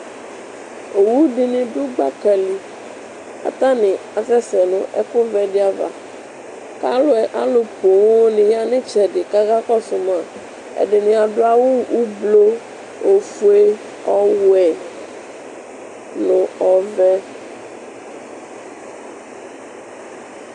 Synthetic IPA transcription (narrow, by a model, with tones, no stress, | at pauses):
o˨wu˦ɖi˨nĩ˨ɖu˦ɡ͡ba˦kɛ˨li˨ | a̰˨t̪ã˦nĩ˨a˨fɛ˦sɛ˨nõ̰˨ʔɛ̰˦ku˦vɛ˨ɖi˦a˨va̰˨ | ka˦lo˦ɛ˨ʔa˦lo˨po˨wo˦nĩ˨ja˦nẽ˦t͡ʃɛ˨ɖɪ˨ka˦ɣa˦kɔ˦so˨mã˨ | ḛ˨ɖe˨nĩ˨a˨ɖo˦a˨wo˦wu˦blo˦ | o˨fu˦e˦ | ɔ˦wu˦ɛ˨ | nõ˨ɔ˨vɛ˦